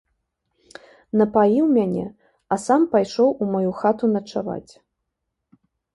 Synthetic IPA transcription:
nɐpaliwmʲanʲɛ̰ | ɐsampajʂɔwumajuxat̪unɐt͡ʂava̰t͡sʲ

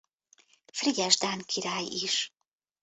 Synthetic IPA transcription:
friɟɛʒd̪aːnkʰiɾaːjiʃ

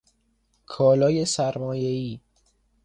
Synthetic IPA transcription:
kʰɒːlɒːje̞sæɾmɒːje̞iː

